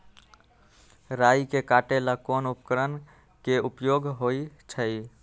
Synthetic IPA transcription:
ɾajkekaʈelakonupkəɾən | keupjoɡɦoit͡ʃʰəj

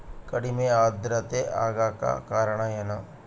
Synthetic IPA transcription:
kɐɽimẽaːd̪ɾət̪ea̰ːɡaka̰kaːɾɳ̃ajɐna

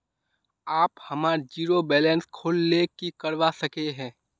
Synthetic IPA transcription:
aːphɐmaːɾd͡ʒiːɾobɛːlɛnskʰoːlːekikəɾʋasəkeɦɛ̃ː

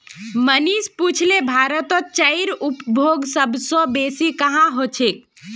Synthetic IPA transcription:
mənisput͡ʃʰlebʱaɾət̪ɔt͡ʃəiɾupbʱoɡsəbʱsɔ̃besikəɦãɦot͡ʃʰek̚

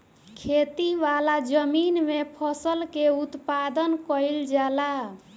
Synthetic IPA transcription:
kʰet̪iʋalad͡ʒəminmepʰəsəlkeut̪pad̪ənkəild͡ʒala

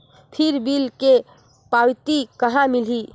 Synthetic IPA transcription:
pʰiɾbilke | pawt̪ikəɦãmili

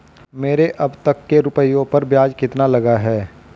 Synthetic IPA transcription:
meːɾeʔɐbt̪ɐkːeɾʊpəijõpɐɾbjaːd͡ʒkɪt̪nalɐɡaɦɛː

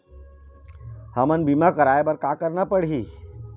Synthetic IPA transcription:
həmənbimakəɾaebəɾkakəɾnapəɽɦi

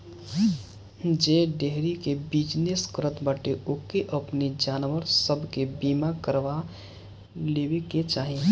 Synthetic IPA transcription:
d͡ʒeɖeɦɾikebid͡ʒneskɾət̪bəʈeʔoːkeʔəpnid͡ʒaːnʋəɾsəbʱkebiːmakəɾʋa | leːweket͡ʃaːɦi

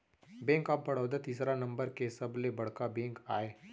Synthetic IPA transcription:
bẽːŋkɐpːɐɽ̤ɔːd̪ət̪iːsɾanɐ̃mbəɾkesɐblebɐɽ̤kabẽːŋkaːeː

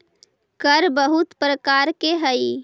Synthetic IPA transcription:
kəɾbəɦut̪pɾəkaːɾkeɦəi

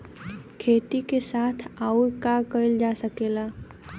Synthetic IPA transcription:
kʰeːt̪ikesaːt̪ʰaʊɾkakəɪld͡ʒasəkeːla

